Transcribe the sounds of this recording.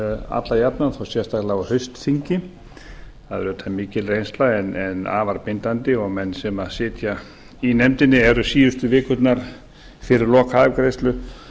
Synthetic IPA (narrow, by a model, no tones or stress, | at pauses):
a̰t̪lajapnanθawsjɛ̥st̪aklaɣɔhœɥst̪θiɲcɪ | aðɛɾʏt̪ʰamɪːcɪlrejnst̪laɛnɛna̰ːvaɾpɪnt̪ant̪ɪɔɣmɛnːsɛmasɪːt̪ja | inɛmt̪ɪnːɪɛɾʏsiːjʏst̪ʏvɪːkʏt̪naɾ̥ | fɪɾɪɾlɔːkaɪkɾejst̪lʏ